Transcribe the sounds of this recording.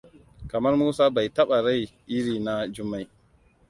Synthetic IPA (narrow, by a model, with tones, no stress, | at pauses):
ka˨mɐ˦ɾmuː˦saː˦ba˨jtɐ˦ɓa˨ɾa˦˨jʔɪ˦ɾiː˨na˦d͡ʒʊ˦mːa˦j